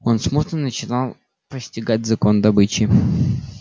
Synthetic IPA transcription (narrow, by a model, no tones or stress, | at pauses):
onsmut̪nənət͡ɕɪnalˠ | pəsʲtʲɪɡatʲzɐko̞nd̪ɐbɨt͡ɕɪ